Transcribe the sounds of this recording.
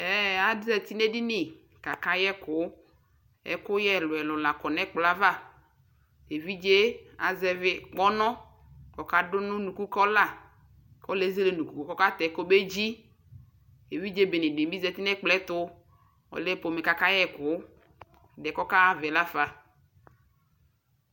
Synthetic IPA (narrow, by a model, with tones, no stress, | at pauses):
ɛ˨˦a˨dzɛ˨t̪i˦nɛ˦dɪ˦nɪ˨ | ka˨ka˦jɛ˦kʊ˨˦ | ɛ̰˨kʊ˦jɛ˦˨lʊ˨ɛ˨lɔ˨la˨kɔ˨nɛ˦k͡pla˦va˦˨ | e˨vi˦d͡ʒe˦a̰˨zɛ˨vɪ˨k͡pɔ˦nɔ˦ | kɔ˨ka˦dʊ˦nʊ̃˦nu˨ku˦kɔ˦la˦ | kɔ˦le˨˦ze˦le˨nũ˨ku˨˦ko˨kɔ˦ka˦t̪ɛ˨˦ko˦be˦d͡ʒi˦ | e˨vi˦d͡ʒe˦be˨nɪ˨dmi˦zɛ˦t̪ɪ˦nɛ˦k͡plɛ˦t̪ʊ˦ | ɔ̰˨lɛ˦po˨mɪ˨ka˨ka˦jɛ˦kʊ˨˦˨ | dɛ˨kɔ˦ka˦a˦vɛ˨la˦fa˨